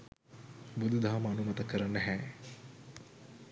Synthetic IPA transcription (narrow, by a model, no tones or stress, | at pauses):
bud̪ud̪aɦaməanumɐt̪əkːəɾanːɛɦɛː